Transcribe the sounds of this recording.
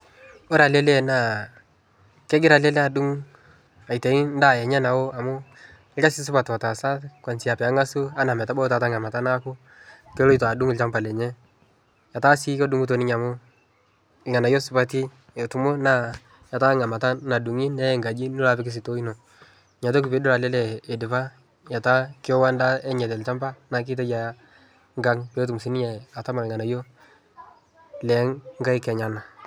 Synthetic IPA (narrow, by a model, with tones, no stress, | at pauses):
ɔ˦ɾa˨lɛ˦lɛ˦na˦˨ | kɛ˦ɡɪ˦ɾa˨lɛ˦lɛ˦a˨du˦ŋ | a˨jtɛ˨i˦n˦da˦˨jɛ˨ɲɛ˦na˨wo˦a˨mʊ˦ | ɪ˦a˦sɪ˦s̬ʊ˦pa˨twa˨ta˨sa˦tkwa˨nt͡ʃɪ˨a˨pɛ˨a˨˦ŋa˦su˦a˦na˨mɛ˨ta˦bɔ˦ta˨ta˦ŋa˨ma˨ta˦na˦kʊ˦ | kɛ˦lo˦i˦to˨a˨du˦ŋɪ˨lt͡ʃa˦ŋpa˨lɛ˨ɲɛ˦ | ja˨ta˦si˦kɔ˦du˨˦ŋɡu˦t̬o˨nɪ˦ɲa˨mʊ˦˨ | ŋa˨na˨jo˦sʊ˦pa˦ti˦ | jɛ˨tu˨mʊ˦na˦ | ja˨ta˦ŋa˨ma˨ta˦na˨du˨ŋi˦nɛ˦˨ŋɡa˨d͡ʒi˦nu˦la˦pɪ˦kɪ˦s̬ɪ˨to˦i˦no˨ | ɲa˨t̬o˦k̬i˨pe˨˦dʊ˦ɾa˨lɛ˦lɛ˨e˨dɪ˨pa˦ | ja˨ta˦kɪ˦ɔ˦wa˦nda˦ɛ˦ɲɛ˨t̬ɛ˨lt͡ʃa˦mba˦na˨k̬ɪ˦t̬ɛ˦d͡ʒa˨˦ | ŋɡa˦ŋpe˨˦t̬u˨msi˦ni˦ɲɛ˨a˨ta˦ma˨ŋa˨na˨jo˦ | lɛ˨˦ŋŋɡa˦i˦kɛ˨ɲa˨na˨